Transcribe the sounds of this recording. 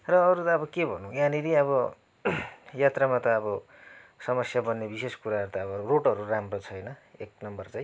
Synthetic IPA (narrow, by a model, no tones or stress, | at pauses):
rʌːɾut̪ʌːbʌkebʱʌnũjaniɾiʌβʌ | jat̪ramat̪ʌːbʌ | sʌmʌsjabʌnːebiseskuɾaɦʌɾut̪ʌʌbʌɾuroʈʌɾuramrot͡sʰʌjnʌek̚nʌmbʌrt͡sãj̃